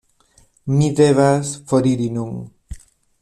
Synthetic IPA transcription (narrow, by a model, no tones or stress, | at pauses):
miðeβasfoɾiɾinuŋ